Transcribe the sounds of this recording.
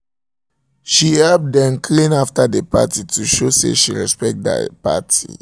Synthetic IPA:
ʃihɛlp̚dɛ̃mkʰlĩnaftadepa̰tituʃosḛʃiɹɛ̰spɛk̚t̚da̰pa̰tʰḭ

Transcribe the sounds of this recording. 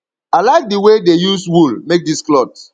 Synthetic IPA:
aɪlaɪk̚diwedejuswulmek̚disklɔd

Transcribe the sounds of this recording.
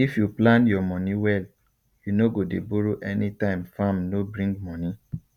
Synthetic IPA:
ifjuplãnjɔmɔniwɛl | junoɡodebuɾoʔɛnitãɪ̃mfamnobɾĩŋɡmɔ̃ni

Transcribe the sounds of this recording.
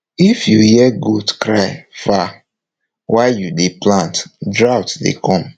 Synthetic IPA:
ifjuhɛɡudkɹaɪfa | wʔaɪjudeplãntdɹaʊtdḛkʰɔ̃m

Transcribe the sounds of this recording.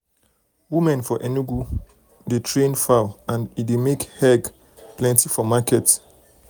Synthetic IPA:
wimɛ̃nfɔʔɛniɡu | detʰɹẽnfaãnidemekhɛɡ | plɛ̃ntifɔmakɛt

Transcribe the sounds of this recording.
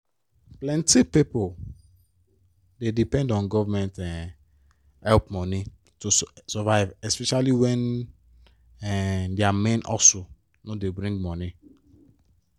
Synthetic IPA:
plɛ̃ntipipol | dedipɛ̃ndɔ̃nɡɔvamɛ̃ntɛ̃n | hɛlpmɔni | tusɔvaɪvɛspɛʃaliwɛ̃n | ɛdeamẽnʔɔ̰so | nodebɾĩŋɡmɔni

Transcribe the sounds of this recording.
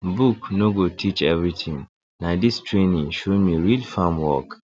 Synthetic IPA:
buknoɡotʰit͡ʃɛvɹit̪ʰĩŋ | nadistʰɹẽnĩŋʃomiɹilfamwɔk

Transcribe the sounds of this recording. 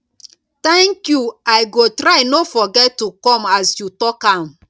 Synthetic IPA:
t̪ɛ̃ŋkjuajɡotɾaɪnofɔɡɛtːukɔ̃masjutɔkãm

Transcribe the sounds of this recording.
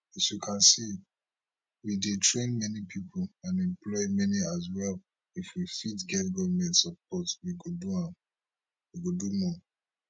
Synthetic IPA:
isjukʰãnsi | widetʰɹẽnmɛnipʰipʰolãnɛ̃mplɔɪmɛniazwɛl | ifwifitɡɛtɡɔvmɛ̃ntsɔp̚ɔtwiɡuduãm | wiɡudumɔ

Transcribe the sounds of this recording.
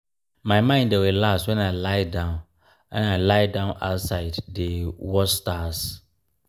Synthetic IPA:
mãɪmãɪ̃ndɛwɪlastwɛ̃naɪlaɪdãʊ̃n | ãnaɪlaɪdãʊ̃naʊtsaɪdːewɔstas

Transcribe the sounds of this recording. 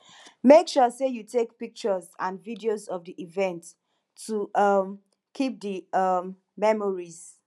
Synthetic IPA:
mekʃusejutʰek̚pik̚t͡ʃəzãnvidiozɔvdiʔivɛ̃ntː | uʌm | kʰip̚dəʌmː | ɛmɔɹiz̥

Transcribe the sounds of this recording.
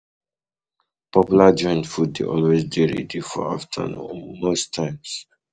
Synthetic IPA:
pʰɔpjulad͡ʒɔ̃j̃nfud̚ḛʔɔlwezdeɹḭdifɔ̰aftʰə̰nṵ̃mostʰːãɪ̃ms

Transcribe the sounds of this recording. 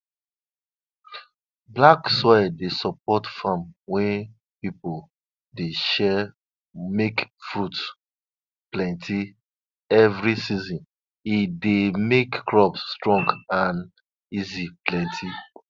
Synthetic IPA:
blaksɔɛdesɔp̚ɔtfamwɛ̃ | pipo | deʃɛ | mekfɹut | plɛ̃ntʰi | ɛvɹisizɔ̃n | idemekːɹɔpsːtɹɔ̃ŋɡãn | iziplɛ̃ntʰi

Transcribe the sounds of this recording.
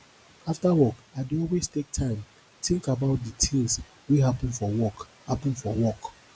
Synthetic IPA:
aftawɔkaɪduɔlwestek̚tʰãɪ̃m | tʰĩŋkabaʊt̚dətʰĩŋs | wiɦapə̃nfɔwɔkhapə̃nfɔwɔk

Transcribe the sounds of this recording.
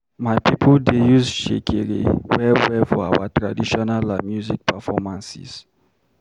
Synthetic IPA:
majpipʰəldejuzʃḛkʰeɹḭwɛwɛfɔa̰wa̰tɹadiʃɔnalamjuzik̚pʰɛfɔmãnsḭs

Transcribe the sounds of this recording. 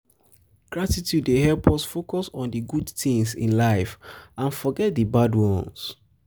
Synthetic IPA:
ɡ̥ɹatitʰjudːehɛlpʰɔsfokɔsɔ̃ndəɡudθĩŋsḭ̃nlaɪfãnfɔɡɛt̚dəbadwɔ̃ns

